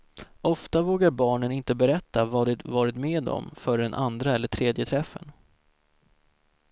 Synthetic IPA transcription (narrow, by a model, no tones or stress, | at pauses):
ɔft̪avoːɡaɾbɑːɳənɪnt̪əbɛɾɛt̪ːavɑːd̪ɪt̪vɑːɾɪt̪meːd̪ɔ̰mfœɖɛnʔa̰nd̪ɾaɛlːəʈʰɾeːd̪jət̪ʰɾɛfːə̰n